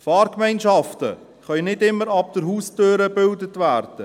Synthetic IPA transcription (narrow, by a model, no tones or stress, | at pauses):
fɑːɾkmɛɪnʃɑftə̰ | χœʏnɪdɪmːəɾɑb̚d̥əɾhuːstøːɾəbɪldətvæːɾd̥ə